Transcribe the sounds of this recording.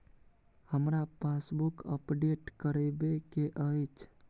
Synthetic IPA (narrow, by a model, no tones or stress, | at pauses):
həmɾapasbukə̰pɖeʈkəɾebekeʔəjt͡ʃʰ